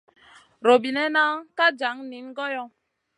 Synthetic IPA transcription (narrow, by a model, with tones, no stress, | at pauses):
ɾo˨bi˨nɛ˦na˦ka˦d͡ʒa˨˦ŋni˨˦n˦ɡɔ˦jɔ˦